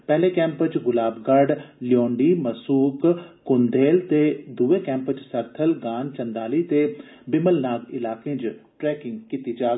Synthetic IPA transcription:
pɛːlẽːkɛ̃ːmpət͡ʃɡʊlaːbɡəɖlɪjɔːɳɖiːməsuːkkʊnd̪eːlt̪eːd̪uʋeːkɛ̃ːmpət͡ʃsəɾt̪ʰəlɡaːnt͡ʃənd̪aːliːt̪eː | bɪməlnaːɡɪlaːkẽːd͡ʒʈɾɛːkɪŋɡkiːt̪iːd͡ʒaːɡ

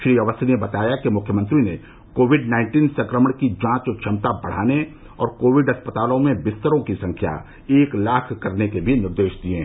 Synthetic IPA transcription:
ʃɾiəʋəseebɐt̪aːjakimʊkʰjəmə̃nt̪ɾine | koːʋɪɖnaːɪ̃ɳʈiːnsɐ̃ŋkɾəməɳ̃kid͡ʒãːt͡ʃt͡ʃʰɐmt̪abɐɽ̤a̰ːne | ɔːɾkoːʋɪɖɦɐspət̪aːlõmẽbɪst̪əɾõkisɐ̃ŋkʰja̰ | eːklaːkʰkɐɾnekebʱinɪɾd̪eːʃd̪iẽ

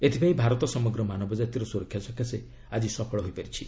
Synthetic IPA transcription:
et̪ʰibʱaibʱaɾɔt̪ɔsɔmɔɡɾɔmanɔbɔd͡ʒat̪iɾɔsuɾɔkʰjasɔkʰjase | ad͡ʒisɔpʰɔɭɔɦojpɔɾit͡ʃʰi

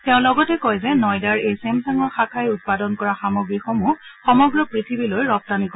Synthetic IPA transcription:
tɛʊ̃lɔɡɔtɛkɔjzɛnɔjdaɹejsemsaŋɔxakʰajut̚padɔnkɔɹaxamoɡɹixɔmuxɔmɔɡɹɔpɹitʰibilojɹɔp̚tanikɔ

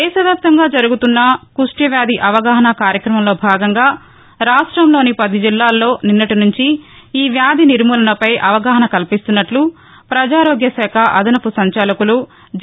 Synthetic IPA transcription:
ɛːsɐʋjaːp̚t̪ɐŋɡaːd͡ʒɐɾuɡut̪unːɐkuʂʈjɐʋjaːd̪iʔɐʋɐɡaːɦɐnɐkaːɾjɐkɾɐmɐmlo̞ːbʱaːɡɐŋɡaː | ɾaːʂʈɾɐmlo̞ːnipɐd̪id͡ʒilːaːlːo̞ːninːɐʈinuɲt͡ʃi | iːʋjaːd̪iniɾmuːlɐnɐpɐjʔɐʋɐɡaːɦɐnɐkɐlpist̪unːɐʈlu | pɾɐd͡ʒaːɾoːɡjɐsɛːkʰɐʔɐd̪ʱɐnɐpusɐɲt͡ʃɐlɐkulu

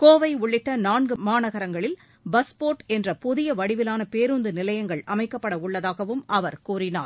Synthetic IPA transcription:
koːʋɐɪʊɭːɪʈːɐnaːɳɡɯmaːnɐɣɐɾɐŋɡɐɭɪl | bɐspoːʈɛndrɐpʊðɪjɐʋɐɽɪʋɪlaːnɐpeːɾund̪ɯnɪlɐjɐŋɡɐɭɐmɐɪkːɐpːɐɽɐʊɭːɐðaːɣɐʋɯmʔɐʋɐɾkuːrɪna̰ːɾ

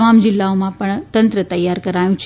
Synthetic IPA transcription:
mamd͡ʑilːaʋmaapəɳt̪ənt̪ɾət̪əjːaɾkəɾajt͡ɕ

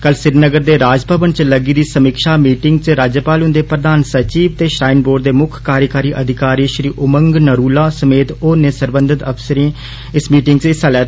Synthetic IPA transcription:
kəlsɪɾnəɡəɾd̪eːɾaːd͡ʒbʱəbənt͡ʃləɡiːd̪iːsəmikʃaːmiːʈɪŋɡt͡ʃɾaːd͡ʒəpaːlʊ̃nd̪eːpɾəd̪aːnsət͡ʃiːʋt̪eːʃɾaːɪnboːɖd̪eːmʊkʰkaːɾjəkaːɾiːʔəd̪ʱɪkaːɾiːʃɾiːʔʊməŋɡnəɾuːlaːsəmeːt̪oːnɪsəɾbənd̪ɪt̪əpsəɾĩː | ɪsmiːʈɪŋɡt͡ʃɪsalɛː

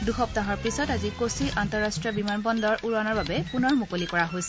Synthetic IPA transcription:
duxɔp̚taɦɔɹpɹisɔtazikosiɹʔantɔɹːastɹiɔbimanbɔndɔɹʔuɹanɔɹbabɛpunɔɹmukolikɔɹaɦojsɛ

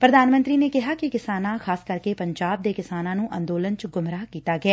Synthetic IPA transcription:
pɾəd̪aːnmə̃nt̪ɾiːneːkɪɦaːkɪkɪsaːnãːkʰaːskəɾkeːpəɲd͡ʒaːb̚d̪eːkɪsaːnãːnũːʔənd̪oːlənt͡ʃɡʊmɾaːkiːt̪aːɡɪɛː

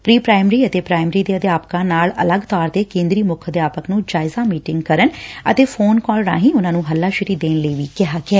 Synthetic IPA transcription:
pɾiːpɾaːɪmɾiːət̪eːpɾaːɪmɾiːd̪eːəd̪jaːpkãːnaːlə̰ləɡt̪aːɾt̪eːkẽːnd̪ɾiːmʊkʰəd̪ɪjaːpəknũːd͡ʒaːɪzaːmiːʈɪŋɡkəɾənət̪eːfʰoːnkɔːlɳa̰ːɦĩːʊnãːnũːɦəlːaːʃɪɾiːd̪eːnləiːʋiːkɪɦaːkɛː

